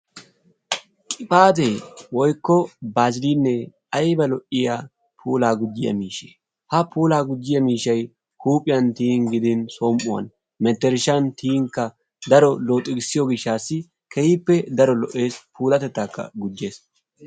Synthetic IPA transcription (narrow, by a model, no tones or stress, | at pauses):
kʼɪpʼaːt̪̬ejwɔjkːɔbaːzɪliːnːɛ | ɐjbɐlɔʔɪjaː | pʰuːlaːɡʊd͡ʒːɪjɐ̰miːʃe | hɐpʰuːlaːɡʊd͡ʒːɪjɐmiːʃɐj | kuːpʼːɪjɐnt̪iːŋɡɪd̪ɪnsoːmʔʊwɐ̰n | mɛt̪ːɛɾɪʃɐnt̪ʰiːŋkːɐ | d̪ɐɾɔloːt̪ʼːɪɡɪsːɪjɔɡɪʃːaːsːɪ | kɛjɪpːɛd̪ɐɾɔlɔʔe̞ːspʰuːlɐt̪ɛt̪ːaːkːɐ̰ɡʊd͡ʒːe̞ːs